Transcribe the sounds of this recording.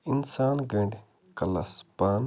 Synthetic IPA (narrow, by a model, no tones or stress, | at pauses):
insaːnɡɐ̃ɳɖ | kɐla̰spaːn